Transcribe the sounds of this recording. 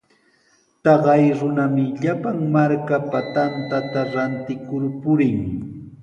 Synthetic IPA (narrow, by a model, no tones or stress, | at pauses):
t̪ɑɢɑjɾʊnamɪʎapaŋmaɾkapat̪ant̪at̪aɾant̪ɪkʊɾpʊɾɪŋ